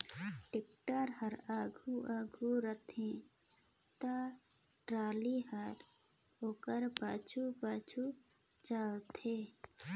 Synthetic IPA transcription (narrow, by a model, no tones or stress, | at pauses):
ʈɪk̚ʈəɾhəɾaːɡʱuʔaːɡʱuɾət̪ʰẽ | t̪a | ʈɾaːliɦəɾ | oːkəɾpaːt͡ʃʰupaːt͡ʃʰu | t͡ʃaːwt̪ʰeː